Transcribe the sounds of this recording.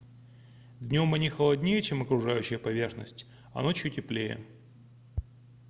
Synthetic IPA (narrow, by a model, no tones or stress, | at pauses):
vʲnʲo̞mɐnʲixəlˠɐdʲnʲejət͡ɕemɐkɾʊʐajʉɕːɪjəpɐvʲe̞rxnə̰sʲtʲ | ɐ̰no̞t͡ɕjutʲɪplʲejə̰